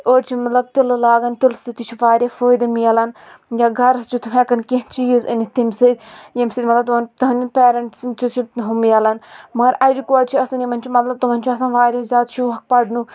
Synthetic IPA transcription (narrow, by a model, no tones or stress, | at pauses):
oːɽt͡ʃʰimɐt̪lɐb̚t̪illaːɡɐnt̪ilsit̪it͡ʃʰiʋaːɾʲafəːjd̪ɨmijɐlɐn | jaːɡʱɐɾst͡ʃʰit̪ʰuɦekɐnkint͡ʃiizɨnit̪imsid̪ʲjimsɨd̪ʲmɐt̪lɐb̚t̪umɐnt̪ɐɦnipʲeːɾɐɳʈst͡ʃʰut͡ʃʰiɦumjɐlɐnmɐɐɾɐɾikoːɖʲt͡ʃʰiɐsɐnjimɐnʲt͡ʃʰumɐt̪lɐb̚t̪umɐnʲt͡ʃʰuɐsãːnʋaːɾʲɐzʲaːd̪t͡ʃʰuʋɐk̚pɐɖnu